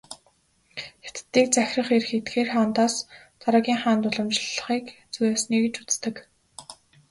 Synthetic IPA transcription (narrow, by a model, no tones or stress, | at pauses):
xe̥t̪t̪ːiːk̚t͡sæxʲrə̆χerxet̪ɡeːrχant̪aːs | t͡saɾaːɣʲiːŋχaːnt̪ʊɮə̆mt͡ɕɪ̆ɮə̆χiːkt͡sujaːsniːɣɘ̆t͡ɕut͡st̪ə̆k